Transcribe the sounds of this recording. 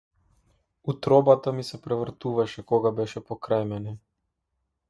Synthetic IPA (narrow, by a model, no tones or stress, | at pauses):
ut̪ɾɔbat̪amisɛpɾɛvr̩t̪uvaʃɛkɔɡabɛʃɛpɔkɾajmɛnɛ